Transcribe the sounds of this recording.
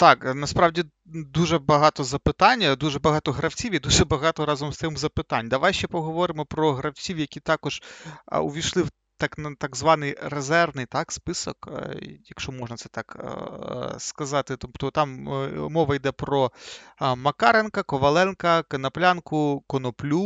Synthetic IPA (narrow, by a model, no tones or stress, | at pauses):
t̪ɑknɐspɾɑwdʲi | d̪uʒɛbɐɦɑt̪ɔzɐpɪt̪ɑnʲːɐd̪uʒɛbɐɦɑt̪ɔɦɾɐwt͡sʲiwid̪uʒɛbɐɦɑt̪ɔɾɑzɔmst̪ɪmzɐpɪt̪ɑnʲd̪ɐʋajʃt͡ʃɛpɔɦɔʋɔɾɪmɔpɾɔɦɾɐwt͡sʲiwjɐkʲit̪ɑkɔʒ̥̰ʊʋʲijʃlˠɪw | t̪ɑknɐt̪aɡzʋɑnɪjrezɛrʋnɪjt̪ɑkspɪsɔ̰kjɐkʃt͡ʃɔmɔʒnɐt̪sɛt̪ɑk | skɐzɑt̪ɪt̪ɔpt̪ɔt̪ɑmmɔʋɐjd̪ɛpɾɔ | mɐkɑɾenkɐkɔʋɐlˠɛnkɐkɐnɐplʲankʊkɔnɔplʲu